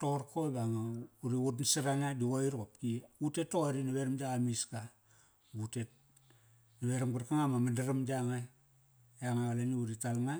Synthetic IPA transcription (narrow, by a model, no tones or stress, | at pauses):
toɾkojbaŋauɾiutnsaɾaŋadioiɾopkiutetːoɣɾinaβeɾamd͡ʒaɣamiska | ɡutet̚ | naβeɾamɡuɾkaŋamamandaɾamd͡ʒaŋaj | jaŋaaleniuɾitalŋa